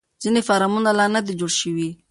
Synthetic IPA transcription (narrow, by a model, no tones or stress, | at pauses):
z̥inefaɾɑmunalɑnad̪ed͡ʒoɽʃəwi